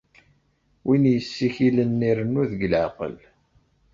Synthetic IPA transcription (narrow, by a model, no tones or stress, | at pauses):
winjəsːiçilənːiɾənːuðəɡlʕaqə̰l